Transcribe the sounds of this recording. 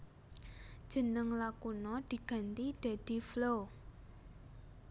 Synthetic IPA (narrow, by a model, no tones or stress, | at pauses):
d̥ʒ̥ə̤nəŋlakunɔd̪̥i̤ɡ̥a̤nt̪id̪̥a̤d̪̥i̤flo